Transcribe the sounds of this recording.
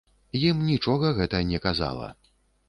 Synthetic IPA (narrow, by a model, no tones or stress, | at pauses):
jimnʲit͡ʂɔɣɐɣɛt̪ɐnʲɛkaza̰lˠɐ̰